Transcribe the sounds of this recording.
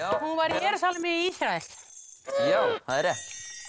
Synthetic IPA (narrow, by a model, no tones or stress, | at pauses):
hunvaɾijɛɾsaːlmɪisɾaɛl̥ | jaːwhaðɛɾɛht̪